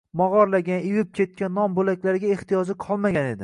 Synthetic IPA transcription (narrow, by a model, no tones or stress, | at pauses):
mɒʁɒɾlaɡʲanewɪp̚kʲʰe̞t̪̚kʲanːɒmbolakʲlaɾɪɡʲae̞ht̪ʰijɒd͡ʒɪqʰɒlˠmaɡʲane̞d̪ɪ